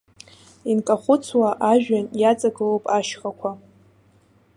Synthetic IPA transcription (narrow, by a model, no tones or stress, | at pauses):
inkʼaχʷʊt͡sʰwaʔaʒᶣanjat͡sʼaɡɨlopʼaʃχakʷʰa